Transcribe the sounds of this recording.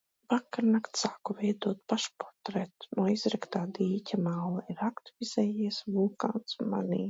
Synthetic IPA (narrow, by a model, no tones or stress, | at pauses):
vakːaɾnakt̪saːkɔvɛjd̪uɔt̪̚paʃpɔɾt̪ɾɛt̪nuːizɾɛkt̪aːd̪iːcʲamaːlˠaiɾakt̪vʲiz̥ɛjiɛsvulˠka̰ːnt̪sma̰nʲḭː